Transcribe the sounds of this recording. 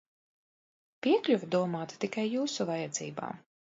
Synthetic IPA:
pʲiɛklʲuvd̪uɔmaːt̪t̪ikajːuːsuvajɛd̪zḭːba̰ː

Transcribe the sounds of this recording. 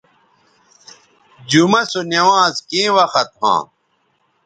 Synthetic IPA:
d͡ʑumɐsunɐwãːzkĩːwɐxɐt̪̚hã̰ː

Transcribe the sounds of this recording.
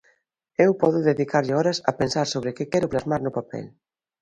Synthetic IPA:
ewpɔðʊðeðikaɾʎɪɔɾɐsɐ̰pensaɾsoβɾɪkɪkɛɾʊplazmaɾnʊpapɛ̰l

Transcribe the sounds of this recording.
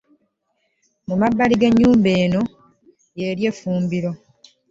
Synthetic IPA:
mumabːaliɡe̞ɲːuːmbe̞ːno̞ | jeːɾje̞ːfuːmbiɾo̞

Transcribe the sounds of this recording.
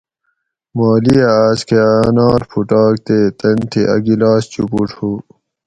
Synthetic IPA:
maːliaːskeanɑːɾpʰuʈɑːk̚t̪eːt̪ɐnt̪ʰiʔɐ̰ɡilaːst͡ɕupuʈhuː

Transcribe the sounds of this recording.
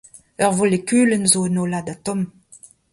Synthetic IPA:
œʁvolekyːlənzoənoladatɔm

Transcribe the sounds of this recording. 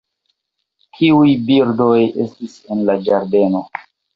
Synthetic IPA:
kʰiujbiɾdo̞je̞̰stise̞nlad͡ʒaɾde̞no̞

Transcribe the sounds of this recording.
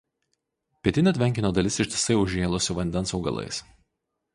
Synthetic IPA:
pʲiɛt̪ʲɪnʲɐt̪ʲʋʲɛŋʲkʲɪnʲoːd̪ɐlʲɪsɪʃʲt̪ʲɪ̥sɐɪʊʒʲeːlˠʊsʲʊʋɐnʲd̪ʲɛnsɒʊɡɐ̰lˠɐ̰ɪs

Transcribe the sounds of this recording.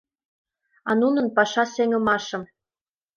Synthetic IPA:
ɑ̰nunɤ̆npɑʃɑseŋɤ̆mɑʃɤ̆m

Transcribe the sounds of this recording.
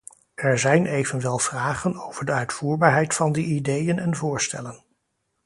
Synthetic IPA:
ɛɹzɛjnʔejvənʋɛlˠv̥raːχənowv̥əɹdəœɥtfuːɹbaːɹɦɛjtfɑndiidejənɛnvʊːɹstɛ̰lən

